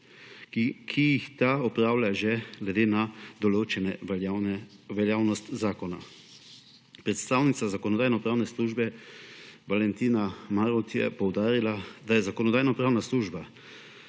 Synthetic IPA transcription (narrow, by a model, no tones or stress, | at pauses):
kʰijixt̪aɔpɾaːwlʲjaʒɛɡlɛd̪eːnad̪ɔloːt͡ʃɛnɛ | ʋɛljaːwnɔst̪zaːkɔna̰ | pɾɛt̪st̪aːwnit̪sazakɔnɔd̪aːjnɔpɾaːwnɛsluːʒbɛ | ʋalɛnt̪iːnamaɾut̪jɛ̰pɔwd̪aːɾilad̪ajɛzakɔnɔd̪aːjnɔpɾaːwnasluːʒba